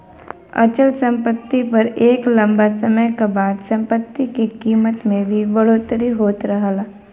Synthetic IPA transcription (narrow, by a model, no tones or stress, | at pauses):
ɐ̰t͡ʃəlsɐ̃mpət̪ːipɐɾeːklɐ̃mbasɐməjkabaːd̪sɐ̃mpət̪ːikekiːmət̪mẽbʱibɐɽoːt̪ɾiɦoːt̪ɾɐɦalaː